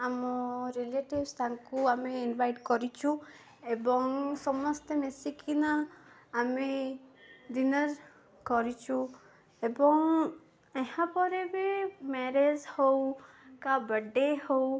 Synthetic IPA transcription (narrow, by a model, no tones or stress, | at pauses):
amɔɾileʈibst̪ʰaŋkuameinbajʈkɔɾit͡ʃʰu | ebɔŋsɔmɔst̪emesikʰinaː | me | d̪inɔɾ | kɔɾit͡ʃʰu | ebɔŋ | ehãpɔɾebemeɾed͡ʒhow | kabəɖehow